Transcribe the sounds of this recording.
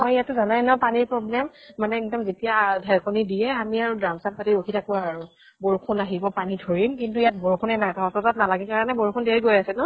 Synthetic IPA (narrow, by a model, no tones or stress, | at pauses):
mɔjijatːuzanajnɔpaniɹpɹɔblɛmːanɛikdɔmzetijadʱɛlkonidijɛamiaɹudamsanpatiokʰitakuaɹ | boɹukʰunaɦibɔpanidʱoɹimkintuijat̚boɹkʰunɛnatɔtɔtat̚nalaɡɛkaɹanɛboɹukʰundeɹiɡojasɛnɔ